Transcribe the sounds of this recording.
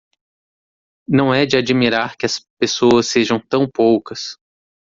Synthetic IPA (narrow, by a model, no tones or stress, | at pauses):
nɐ̃w̃ɛd͡ʒɪad͡ʒimiɾaɾkɪɐspesoɐseʒɐ̃w̃t̪ɐ̃w̃powkɐs